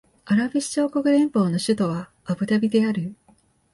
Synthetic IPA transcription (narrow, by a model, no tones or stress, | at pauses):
aɾabʲɯɕi̥t͡ɕo̞ːkokɯ̟ɾẽ̞mpo̞ːno̞ɕɨt̪o̞βaː | bɯ̟t̪abʲid̪e̞aɾɯ̟